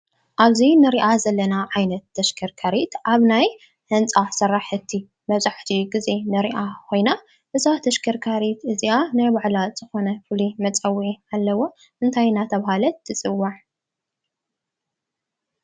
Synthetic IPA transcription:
ʔaβzinɨɾiʔazɐlːɐnaʕajnɐt̪ːɐʃkʰɐɾkʰaɾit̪ʔaβnaj | hɐnt͡sʼasɐrːaħɨt̪ʰːi | mɐβzʼaħt̪ʰiɡize̞nɨɾiʔakʰo̞jna | ʔɨzat̪ʰɐʃkʰɐɾkʰaɾit̪ɨzianajbaʕlaz̥ɨxo̞nɐfɨlimɐt͡sʼɐwʕialːɐwo̞ | ʔɨnt̪ʰajnat̪ʰɐβhalɐt̪ʰːɨt͡sʼɨwːaʕ

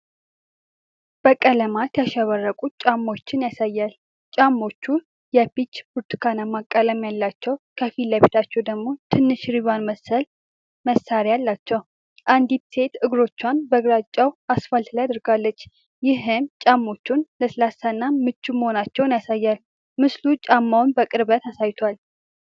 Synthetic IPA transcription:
b̥əkʼələmat̪jaʃɛβərːəkʼut͡ʃʼamːo̞t͡ʃːɪnjasajːal | t͡ʃʼamːo̞t͡ʃːu | jɛpit͡ʃːbuɾt̪ʰkʰanamakʼːələmjalːat͡ʃːɛwkʰəfiləβit̪ʰat͡ʃːɛwd̪əɡmo̞t̪ʰɨnːɨʃɾiβanməsəl | məsːaɾijalːat͡ʃːɛw | ʔand̪it̪se̞t̪ɨɡɾo̞t͡ʃːwanbəɡɾat͡ʃʼːawʔasfalt̪ʰlajad̪ɾɡalːət͡ʃː | jɪɦɨmt͡ʃʼamːo̞t͡ʃːunləsɨlasanːamɨt͡ʃːuməho̞nat͡ʃːɛwnjasajːal | mɨslut͡ʃʼamːawnbəkʼɨɾbət̪asajt̪ʰoal

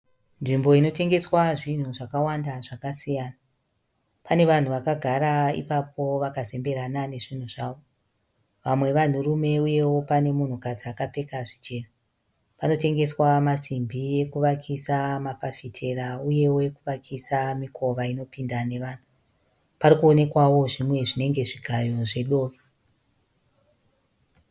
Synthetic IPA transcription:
nʐimbo̞ino̞te̞ŋɡe̞swaʐin̤uʐakawandaʐakasijaːna | pane̞ʋan̤uʋakaɡʱaɾaḭpap̚ʰo̞ʋakaze̞mbe̞ɾanane̞ʐin̤uʐaːʋo̞ | ʋamwe̞ʋan̤urume̞uje̞wo̞pane̞mun̤ukad͡zakap͡fe̞kaʐit͡ʃe̞ːna | pano̞te̞ŋɡe̞swamasimbʱie̞kuʋakʰisamapafitʰe̞rauje̞wekuʋakʰisamikʰo̞ʋaino̞pindane̞ʋaːn̤u | parikuone̞kwawo̞ʐimwe̞ʐine̞ŋɡe̞ʐiɡʱajo̞ʐe̞ɗo̞ːro

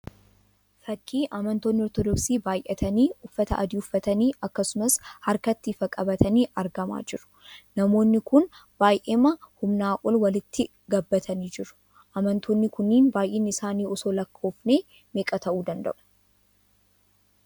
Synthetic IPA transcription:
fɐkːiːʔɐmɐnt̪oːnːɪɔɾt̪ɔd̪ɔksiːbaːjʔɛt̪ʰɐniːʊfːɐt̪ɐ̰ʔɐd̪iːʊfːɐt̪ɐniːʔɐkːɐsʊmɐshɐɾkɐt̪ːiːfɐkʼɐbɐt̪ɐniːʔɐɾɡɐma̰ːd͡ʒɪɾʊ̥ | nɐmo̞ːnːɪkʊnb̥aːjʔeːmɐhʊmnaːʔʼɔlwɐlɪt̪ːɪ | ɡɐbːɐt̪ʰɐniːd͡ʒɪɾʊ̥ | ʔɐmɐnt̪ʰoːnːɪkʊnːiːnbaːjʔeːnːɪɪsaːniːɔso̞ːlɐkʰːo̞ːfne̞ː | meːkʼɐt̪ɐʔuːd̪ɐnd̪ɐ̰ʔʊ̥

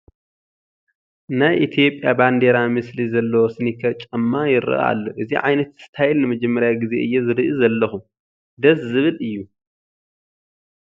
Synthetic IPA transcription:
najʔit̪ʰijo̞pʼjaband̪e̞ɾamɨslizɐlːɐwosɨnikʰɐt͡ʃʼɐmːajɪɾɨ̰ʔa̰lːoʔɨziʕa̰jnɐt̪ɨ̥st̪ʰajɛlnɨmɐd͡ʒɛmːɐɾjaɡize̞̰ʔɨjːezɨɾɨʔizɐlːɐxum | d̪ɐszɨβɨlɨjːu

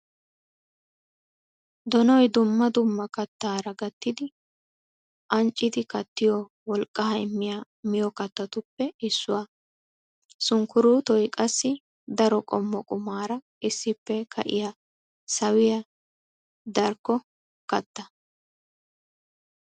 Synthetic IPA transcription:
d̪ɔnɔjd̪ʊmːɐd̪ʊmːɐkɐt̪ːaːɾɐɡɐt̪ːɪd̪ɪ | ʔɐnt͡ʃʼːɪd̪ɪkɐt̪ːɪjɔ | wɔlkʼːɐhɐjmːɪjaː | mɪjɔkɐt̪ːɐt̪ʊpːɛɪsːʊwaː | sʊŋkʊɾuːt̪ɔjkʼɐsːɪ | d̪ɐɾɔkʼɔmːɔkʼʊmaːɾɐ | ʔɪsːɪpːɛkʰɐ̰ʔɪ̰ja | sɐwɪjɐ | d̪ɐɾkːɔ | kɐt̪ːɐ

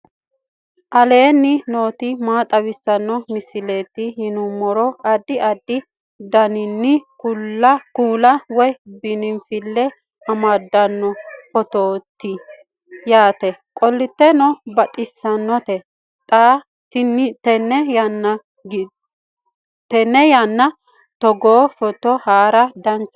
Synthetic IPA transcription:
ʔɐle̞ːnːɪno̞ːt̪ɪmaːt̪ʼɐwɪsːɐnːɔmɪsɪleːt̪ːɪhɪnʊmːɔɾɔɐd̪ːɪʔɐd̪ːɪ | d̪ɐnɪnːɪkuɐkuːlɐwɔjbɪnɪmfɪlːɛ | ɐmad̪ːɐnːɔfɔt̪oːt̪ːɪ | jaːt̪ɛkʼɔlːɪt̪ːɛnɔbɐt̪ʼɪsːɐnːɔt̪ɛ | t̪ʼa | tnt̪ɛnːɛjɐnːɐ | ɡ | t̪ɛnːɛjɐnːɐ | t̪ɔɡoːfɔt̪ɔhaːɾɐd̪ɐnt͡ʃː

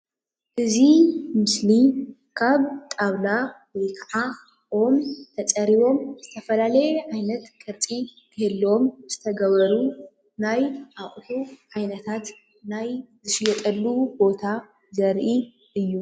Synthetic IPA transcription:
ʔɨzimɨsli | kʰaβt̪ʼaβna | wejkʰɐʕa | ʔomt̪ʰɐt͡sʼɐɾiβo̞mz̥ɨt̪ʰɐfɐlalɐjɛʕajnɐt̪kʰʼɐɾt͡sʼit̪ʰɨhɨlːo̞mz̥ɨt̪ʰɐɡɐβɐɾu | najʔaχʼħuʕajnɐt̪ʰat̪ | najzɨʃjɛt̪ʼɐlːubo̞t̪ʰa | zɐɾʔi | ʔɨjːu

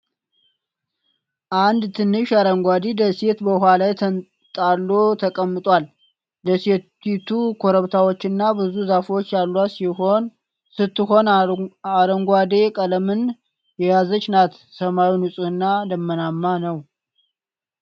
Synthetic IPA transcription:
ʔand̪t̪ʰɨnːɨʃaɾəŋɡʷad̪ed̪əse̞t̪bəɦalajt̪ʰə | t̪ʼalːot̪ʰəkʼəmːɨt̪ʼwal | d̪əse̞ | it̪ʰukʰoɾəβt̪ʰawot͡ʃːɨnːabɨzuzafwot͡ʃːjalːwasihon | sɨt̪ːɨɦo̞naɾəŋɡʷad̪e̞kʼələmɨn | jɛjazət͡ʃʼːnat̪ | səmawinɨsʼuɨnːad̪əmːənamːanəw

